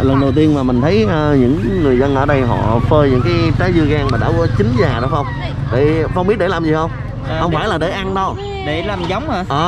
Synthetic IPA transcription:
lə˨˩nɗə˨˩wt̪i˧ənmaː˨˩m˨˩ŋ̟t̪ʰə˨˦jʔəː˧ɲɨ̰˧˥ŋːɨ˨˩əjzə˧nʔəː˧˩ɗə˧jɦɔ̰˧˨fəː˧ɲɨ̰˧˥ŋkaː˨˦jt͡ɕaː˨˦jzɨ˧əɣaː˧nmaː˨˩ɗa̰ː˧˥˩kɔ˨˦t͡ɕï˨˦ŋ̟zaː˨˩ɗɔ˨˦xə˧wŋ͡m | ɗe˧˩fa˧wŋ͡mɓi˦˥t̚ɗe˧laː˨˩mzi˨˩hə˧wŋ͡m | hə˧wŋ͡mfaː˧˩jlaː˨˩ɗe˧˩ʔa˧nɗə˧w | ɗe˧˩laː˨˩mza˨˦wŋ͡maː˧ʔəː˨˩

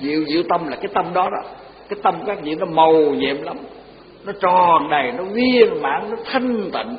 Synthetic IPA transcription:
zḭ˧˨əwzḭ˧˨əwt̪ə˧mlaː˨˩kaː˨˦jt̪ə˧mɗɔ˨˦ɗɔ˨˦ | kaː˨˦jt̪ə˧mkaː˦˥k̚zḭ˧˨nɔ˨˦mə˨˩wɲɛ̰˧˨mla˨˦m | nɔ˨˦t͡ɕɔ˨˩nɗə˨˩jnɔ˨˦vi˧ənɓa̰ː˧˥nnɔ˨˦t̪ʰi˧ŋ̟t̪ḭ˧˨ŋn

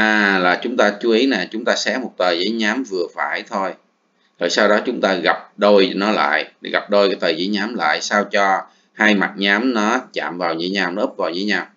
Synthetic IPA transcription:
ʔaː˨˩laː˨˩t͡ɕʊ˨˦ŋ͡mt̪aː˧t͡ɕu˨˦ʔi˨˦na˨˩t͡ɕʊ˨˦ŋ͡mt̪aː˧sɛ˨˦˥mo˨˩t̚t̪əː˨˩jzə̰˨˦jɲaː˨˦mvɨ˨˩əfaː˧˩jt̪ʰo˧j | zo̰˧˨jsaː˧wɗɔ˨˦t͡ɕʊ˨˦ŋ͡mt̪aː˧ɣa˨˩p̚ɗo˧jnɔ˨˦la̰ː˧˨jɣa˨˩p̚ɗo˧jkaː˨˦jt̪əː˨˩zə̰˨˦jɲaː˨˦mla̰ː˧˨jsaː˧wt͡ɕɔ˧ | haː˧jma˨˩t̚ɲaː˨˦mnɔ˨˦t͡ɕa̰ː˧˨mvaː˨˩wzə̰˧˦jɲaː˧˩wnɔː˨˦˥p̚vaː˨˩wzə̰ː˧˨˦jɲaː˧˩w

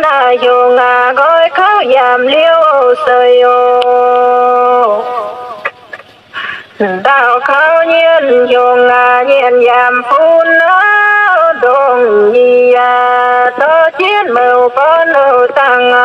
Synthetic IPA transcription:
na˧˩jo˧ŋaː˧˩ɡɔ˧˥jkʰa˧˥wjaː˧˩mli˧əwsə˧˩jo˧˨ | t̪a˧˩wkʰa˧˥wɲi˧˨ənjo˧˩ŋːaː˧ɲi˧˩ənjaː˧˩mpʰu˧na˦ | do˧˩ŋɲi˧˩a˧t̪ɔ˧˦t͡ɕi˧˩ənmə˧˩wpɔ˧˦nə˧˩wt̪a˧˩ŋ˧

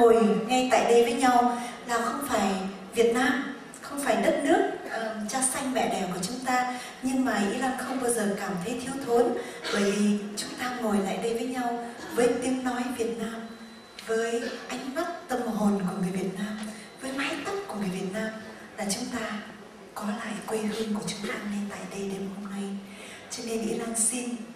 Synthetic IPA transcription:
o˨˩jŋa˧jt̪a̰ː˧˨jɗə˧jvəː˨˦jɲa˧wlaː˨˩xə˧wŋ͡mfaː˧˩j | vi˨˩ət̚naː˧m | xə˧wŋ͡mfaː˧˩jɗə˦˥t̚nɨ˦˥ək̚ʔəː˨˩t͡ɕaː˧˥sa˧jŋ̟mɛ̰˧˨ɗɛ˨˩wku˧˩ət͡ɕʊ˨˦ŋ͡mt̪aː˧ | ɲɨ˧ŋmaː˨˩ʔi˧˦la˧˩nxə˧wŋ͡mɓaː˧wzəː˨˩kaː˧˩mt̪ʰə˨˦jt̪ʰi˧əwt̪ʰo˨˦nɓəː˧˩jvi˨˩t͡ɕʊ˨˦ŋ͡mt̪aː˧ŋo˨˩jla̰ː˧˨jɗə˧jvəː˨˦jɲa˧wvəː˨˦jt̪i˨˦mnɔ˨˦jvi˨˩ət̚naː˧m | vəː˨˦jʔa˧jŋ̟ma˦˥t̚t̪ə˧mɦo˨˩nkɔ˨˩nvəː˨˩vi˨˩ət̚naː˧m | vəː˨˦jlaː˨˦jt̪ə˦˥p̚kəvəː˨˩vi˨˩ət̚naː˧m | laː˨˩t͡ɕʊ˨˦ŋ͡mt̪aː˧ | kɔ˨˦la̰ː˧˨jkwi˧ɦɨ˧ŋku˧˩ət͡ɕʊ˨˦ŋ͡mt̪aː˧ne˧nt̪a̰ː˧˨jɗə˧jɗe˧mho˧mna˧j | t͡ɕɔ˧ne˧nʔḭ˧˥la˧ŋsi˧n

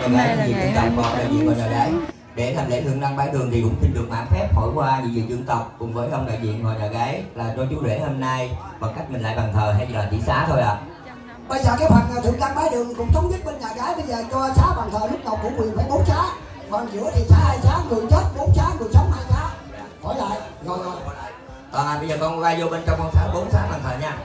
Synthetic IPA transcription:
ɲa˨˩ʔaː˨˦jɲ˧˨vḭ˧˨ŋzɨ˧ŋt̪ə˨˩wp̚vɔː˧˨˧ɗaː˧˨jzḭ˧˨nvɔː˨˩ɲaː˨˩ɣa˨˦j | ɗe˧˩t̪ʰa˨˩ŋlḛ˧˦t̪ɨ˧˨ənɗaː˧ŋɓaː˨˦jɗɨ˨˩əŋt̪ʰi˨kʊ̰˧˥ŋ͡mti˧nɗɨ˨˩ək̚ma̰ː˧˨ŋfɛ˦˥p̚ho̰˧˩˨jkwaː˧ɲḭ˧˨vḭ˧˨zɨ˧˩əŋt̪ə˨˩wk͡p̚kʊ˨˩ŋ͡mvəː˨˦jxə˧wŋ͡mɗa̰ː˧˨jzḭ˧˨ənhɔ̰ː˨˩ɲaː˨˩ɣaː˨˦jlaː˨˩t͡ɕɔ˧t͡ɕu˨˦ɗwe˧˩ho˧mna˧j | ɓaː˨˩ka˦˥jk̚mï˨˩ŋ̟la̰ː˧˨jɓa˨˩ŋt̪ʰəː˨˩ɦa˧jlaː˨˩t͡ɕ̪ḭ˧˥˦saː˨˦t̪ʰo˧jʔa̰ː˨˩ | ɓa˧jzaː˨˩kaː˨˦jfa˨˩aː˨˩t̪ʰɨ̰˨˧˩əŋkaː˧ŋɓaː˨˦jɗɨ˨əŋ˩kʊ̰˧˥wŋ͡mt̪ʰə˨˦wŋ͡mɓi˦˥ət̚ɓe˧nɲaː˨˩ɣaː˨˦jɓə˧jzəː˨˩t͡ɕɔ˧saː˨˦ɓaː˨˩ŋt̪ʰəː˨˩lʊ˦˥k̚ɗə˨˩wk͡p̚kʊ̰˧˥kwi˨˩ənfaː˨˩˦jɓo˨˦nsaː˨˦ | mɔː˨˩nzɨ̰˧˥ət̪ʰi˨˩saː˨˦haː˧jsaː˨˦ŋɨ˨˩ət͡ɕə˦˥t̚ɓo˨˦nsaː˨˦ŋɨ˨˩əjsə˨˦wŋ͡mhaː˧jsaː˨˦ | hɔ˧˩˦jla̰ː˧˨jʔ | zo˨˩jzo˨˩j | t̪aː˨˩naː˨˩ɓə˧jzəː˨˩kɔ˧nkɔ˨˦˥ɣaː˨˦jzo˧ɓe˧nt͡ɕɔ˧wŋ͡mkɔ˧nsaː˨˦ɓo˨˦nsaː˨˦ɓaː˨˩ŋt̪ʰəː˨˩ɲaː˧

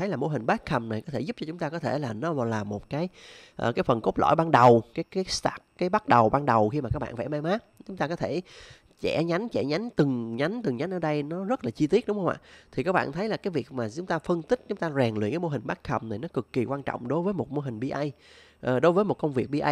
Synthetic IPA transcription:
ə˨˦jlaː˨˩mo˧ɦï˨˩ŋ̟ɓaː˦˥t̚xə˨˩mna˨˩jkɔ˨˦t̪ʰe˧˩zu˦˥p̚t͡ɕɔ˧t͡ɕʊ˨˦ŋ͡mt̪aː˧kɔ˨˦t̪ʰe˧˩laː˨˩nɔ˨˦vlaː˨˩mo˨˩t̚kaː˨˦jʔəː˨˩kaː˨˦jfə˨˩nko˦˥p̚lɔ̰˧˩˨jɓaː˧nɗə˨˩wkaː˨˦jkaː˨˦jst̪aː˨˩k̚kaː˨˦jɓa˦˥t̚ɗə˨˩wɓaː˧ŋɗə˨˩wxi˧maː˨˩kaː˦˥k̚ɓ̰ːnfa̰˧˩ma˧jmaː˨˦˥ | t͡ɕʊ˨˦ŋ͡mt̪aː˧kɔ˨˦t̪ʰe˧˩ | t͡ɕɛ˧˩˥ɲa˨˦jŋt͡ɕɛ̰˧˩ɲa˨˦jŋt̪ɨ˨˩ŋɲa˨˦jŋ̟t̪ɨ˨˩ŋɲa˨˦nʔəː˧˩ɗə˧jnɔ˨˦zə˦˥t̚laː˨˩t͡ɕi˧t̪i˦˥ət̚ɗʊ˨˦ŋ͡mxə˧wŋ͡mʔa̰ː˧˨t̪ʰi˨˩kaː˦˥k̚ɓa̰ː˧˨nt̪ʰə˨˦jlaː˨˩kaː˨˦jvi˨˩ək̚maː˨˩t͡ɕʊ˨˦ŋ͡mt̪aː˧fə˧nt̪ï˦˥k̟̚t͡ɕʊ˨˦ŋ͡mt̪aː˧zɛ˨˩ŋlḭ˧˨kaː˨˦mo˧ɦï˨˩ŋɓaː˦˥t̚xʰə˨˩mna˨˩jnɔ˨˦kɨ˨˩kːi˨˩kwaː˧nt͡ɕɔ̰˧˨wŋ͡mɗo˨˦jvəː˨˦jmo˨˩t̚mo˧ɦï˨˩ŋ̟ɓi˧ʔa˧j | ʔəː˨˩ɗo˨˦jvəː˨˦jmo˨˩t̚kə˧wŋ͡mvi˨˩ək̚ɓi˧ʔa˧j

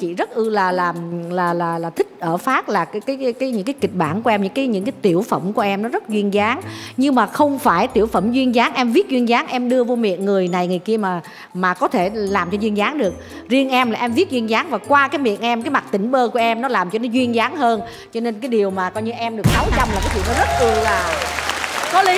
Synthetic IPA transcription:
t͡ɕḭ˧˩zə˦˥t̚ʔɨ˧laː˨˩laː˨˩mlaː˨˩laː˨˩laː˨˩t̪ʰï˦˥k̟̚ʔəː˧˩faː˦˥t̚laː˨˩kkaː˨˦jkaː˨˦jɲɨ̰˧˥ŋkaː˨˦ki˨˩k̟̚ɓaː˧˩nku˧˩˦ʔɛ˧mɲɨ̰˧˥ŋkaː˨˦jɲɨ̰˧˥ŋkaː˨˦jt̪i˧˩əwfə˧˩mku˧˩əʔɛ˧mnɔ˨˦zə˦˥t̚zwi˧ənzaː˨˦ŋɲɨ˧ŋmaː˨˩xə˧wŋ͡mfaː˧˩jt̪i˧˩əwfə˧˩mzwi˧ənzaː˨˦nʔɛ˧mvi˦˥t̚zwi˧ənzaː˨˦nʔɛ˧mɗɨ˧əvo˧mḭ˧˨ənŋɨ˨˩əjna˨˩jŋɨ˨˩əjki˧əmaː˨˩ | maː˨˩kɔ˨˦t̪ʰe˧˩laː˨˩mt͡ɕɔ˧zwi˧ənzaː˨˦nɗɨ˨˩ək̚ | zi˧ənʔɛ˧mlaː˨˩ʔɛ˧mvi˦˥t̚zwi˧ənzaː˨˦ŋvaː˨˩kwaː˧kaː˨˦jmḭ˧˨ənʔɛ˧mkaː˨˦jma˨˩t̚t̪ï˧˩ŋ̟ɓəː˧ku˧˩əʔɛ˧mnɔ˨˦laː˨˩mt͡ɕɔ˧nɔ˨˦zwi˧ənzaː˨˦ŋɦəː˧n | t͡ɕɔ˧ne˧nkaː˨˦jɗi˨˩əwmaː˨˩kɔ˧jɲɨ˧ʔɛ˧mɗɨ˨˩ək̚na˨˦wza˧wmlaː˨˩kaː˨˦zḭ˧˨nɔ˨˦zə˦˥t̚k̪u˧˩laː˨˩ | kɔ˨˦li˨˦

